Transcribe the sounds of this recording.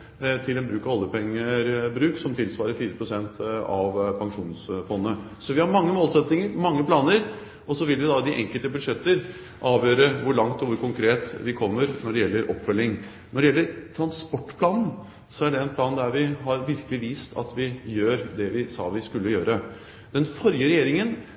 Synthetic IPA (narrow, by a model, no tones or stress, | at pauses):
t̪ʰɪlɛnbɾʉːkɑʋɔlːəpʰɛŋːəɾbɾʉːksɔmt̪ʰɪlsʋɑːɾəɾfiːɾəpʰɾʊsɛnt̪ɑʋpʰɑŋʂuːnsfɔnːə | sɔʋɪhɑɾmɑŋːəmoːlsɛt̪nɪŋəɾmɑŋːəpʰlɑːnəɾ | ɔsɔʋɪlʋɪd̪ɑd̪ɪʔɛ̰ŋkəlt̪əbʉd̪ʂɛt̪ːəɾ | ʔɑːʋjøːɾəʋʊɭɑŋt̪ɔʋʊɾkʊŋkʰɾeːt̪ʋɪkʰɔmːəɾnɔɖɛjɛlːəɾʔɔpːfœlːɪŋ | nɔɖɛjɛlːəɾt̪ʰɾɑnspɔʈːpʰlɑːnn̩ | sɔæɖɛɛnpʰlɑːnd̪æɾʋɪɦɑɾʋɪɾkəlɪʋiːst̪ʰɑ̰t̪ʋɪjøːɾd̪ɛʋɪsɑ̰ːʋɪskʉlːəjøːɾə | d̪̥ɛnfɔɾjəɾɛjeːɾɪŋən